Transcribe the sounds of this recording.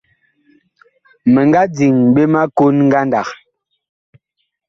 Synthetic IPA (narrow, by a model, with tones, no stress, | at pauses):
me˨ŋɡa˦d͡zi˨ŋɓe˦ma˦ko˦nŋ̩˦ɡa˦nda˨k